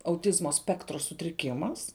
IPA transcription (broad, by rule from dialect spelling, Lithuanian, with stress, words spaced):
ɐʊˈtʲɪzmoː ˈsʲpʲæːktroː sʊtʲrʲɪˈkʲɪmɐs